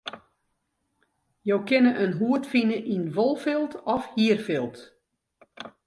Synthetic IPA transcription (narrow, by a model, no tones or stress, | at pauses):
jowkɪnəʔənɦuətfinəʔinʋolˠfɪlˠtɔfhiərfɪlˠt